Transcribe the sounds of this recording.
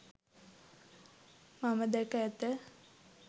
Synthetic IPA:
maməd̪ɛkəæt̪ə

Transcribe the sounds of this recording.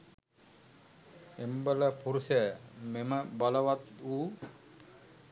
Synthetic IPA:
embələpuɾusəjəmeməbaləʋat̪uː

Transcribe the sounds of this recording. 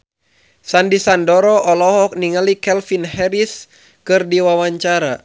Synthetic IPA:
sandisandɔɾɔʔɔlɔɦɔk̚niŋalikɛlfinhɛɾis | kɨrdiwawaɲt͡ʃaɾa

